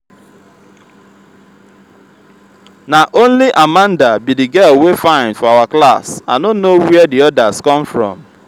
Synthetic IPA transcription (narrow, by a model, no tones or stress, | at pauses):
naʔonliʔamãndabidiɡɛlwefãɪ̃ndfɔawaklasa̰nonnowɛdiɔdaskɔ̃mfɾɔ̰̃m